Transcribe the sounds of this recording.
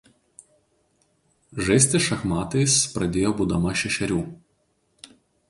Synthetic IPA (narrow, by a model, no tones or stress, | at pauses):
ʒɐɪsʲt̪ʲɪʃɐxmɑːt̪ɐɪspɾɐd̪ʲeːjoːbuːd̪ɐmɐʃʲɛʃʲɛɾʲuː